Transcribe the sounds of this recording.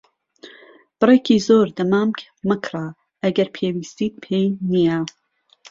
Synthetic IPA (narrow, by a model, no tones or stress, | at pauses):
b̥ɨrekʰiːzoːɾd̪ɐmaːmk | mɨkʰraː | ʔɐɡɐɾpʰeːwiːst̪iːt̪̚pʰejnija